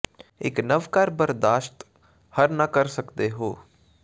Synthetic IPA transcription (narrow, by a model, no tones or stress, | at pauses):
eːknɐʋkaːɾbɐɾd̪aːʃt̪ | hɐɾnɐkɐɾsɐkt̪eɦoː